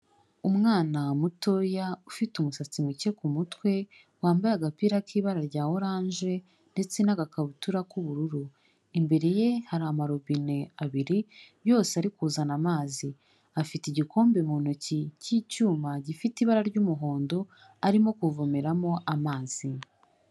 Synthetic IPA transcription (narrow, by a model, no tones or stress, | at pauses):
umŋaːnamuto̞jaufitumusat͡simuce̞kumutwe̞ | waːmbajaɡapiːɾakiːβaɾaɾɟaːwoɾaːɲʒe̞ | nde̞t͡se̞naɡakaβutuɾakuβuɾuɾu | imbe̞ɾe̞je̞haɾamaɾoβine̞aβiɾi | jo̞ːseaɾikuːzanamaːzi | afitiɟikʰo̞ːmbemuːn̥ocicicuːmaɟifitiβaɾaɾɟumuɦo̞ːndo̞ | aɾimo̞kuvomeɾamo̞ʔamaːz̥i